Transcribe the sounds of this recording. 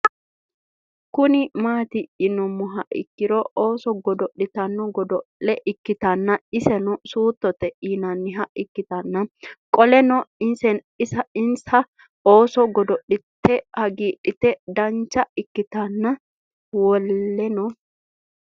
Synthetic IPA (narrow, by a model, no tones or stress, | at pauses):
kʊnɪmaːt̪ɪːnɔmːʊɦɐʔɪ̰kːɪɾɔʔoːsɔɡɔd̪ɔɗːɪt̪ɐnːɔɡɔd̪ɔɛʔɪkːɪt̪ɐnːɐɪsɛnɔsuːt̪ːɔt̪ɛʔiːnɐnːɪɦɐʔɪkːɪt̪ɐnːɐkʼɔlɛnɔɪnsɛn | ɪsɐɪnsɐ | o̞ːsɔɡɔd̪ɔɗɪt̪ːɛhɐɡiːɗɪt̪ɛd̪ɐnt͡ʃːɐɪkːɪt̪ɐnːɐ | wɔllːɛnɔ